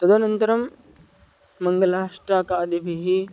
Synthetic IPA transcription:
t̪ɐd̪ɐnɐnt̪ɐɾɐm | ɐŋɡɐlaːʂʈɾaːkaːd̪ibʱiɦi

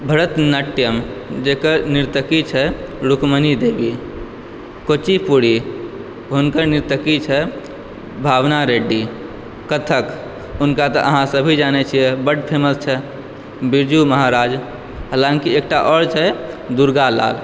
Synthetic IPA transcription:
bʱəɾət̪nəʈjəmd͡ʒeːkəɾnɪɾt̪əkit͡ʃʰɛɾukmənid̪eːbi | koːt͡ʃipuɽi | ɦʊnkəɾnɪɾt̪əkit͡ʃʰɛ | bʱaːʋnaɾeːɖi | kət̪ʰək | ʊnkat̪ɔʔəɦãsəbʱid͡ʒaːnet͡ʃʰiɛbəɖpʰeːməst͡ʃʰɛ | biɾd͡ʒuməɦaɾaːd͡ʒ | ɦaːlãːŋkieːk̚ʈaʔɔːɽt͡ʃʰɛ | d̪uɾɡala̰ːl

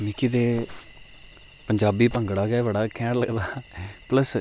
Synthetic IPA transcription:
miːkid̪eː | pəɲd͡ʒaːbiːpəŋɡɽaːɡɛːʋəɽaːkʰɛ̃ːʈləɡd̪aːpləs

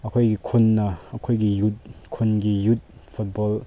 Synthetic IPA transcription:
ɐkʰojɡikʰunːɐːkʰojɡijut̚kʰunɡijut̚pʰut̚bɔl

